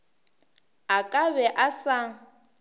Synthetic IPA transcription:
akʼaβɛʔasa

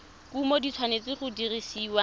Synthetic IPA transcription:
kumodit͡sʰwanet͡sɪχʊdirisiːwa

